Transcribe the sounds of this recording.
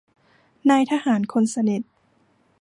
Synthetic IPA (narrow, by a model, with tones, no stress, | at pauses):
naː˧jt̪ʰaː˧haː˩˦nkʰo˧nsa˧ni˨˩t̪̚